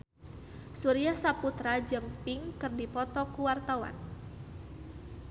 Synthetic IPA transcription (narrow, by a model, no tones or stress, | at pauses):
suɾiasaput̪ɾad͡ʒəŋpiŋkɨrdipɔt̪ɔkuwart̪awa̰n